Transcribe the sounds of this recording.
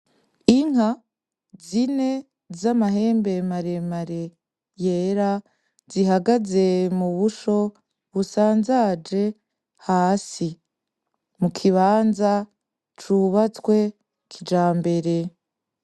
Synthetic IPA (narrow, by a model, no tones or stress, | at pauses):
iŋ̥ha | zine̞ | zamaɦe̞ːmbe̞maɾe̞maɾe̞ | jeːɾa | ziɦaɡaze̞muβuʃo̞ | βusaːnzad͡ʒe̞ | haːsi | mukʰiβaːnza | t͡ʃuβat͡swe̞ | kʰid͡ʒaːmbe̞ɾe̞